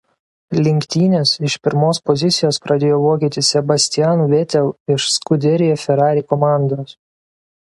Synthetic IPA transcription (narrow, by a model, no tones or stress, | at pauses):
lʲɪŋʲkʲt̪ʲiːnʲeːsɪʃpʲɪɾmoːspɔzʲɪt̪sʲɪjoːspɾɐd̪ʲeːjoːʋoːkʲiːt̪ʲɪsʲɛbɐsʲt̪ʲɪjæːnuːʋʲet̪ʲɛlˠɪʃskʊd̪ʲɛɾʲɪjɛfʲɛɾɑːɾʲiːkɔmɑˑnd̪oːs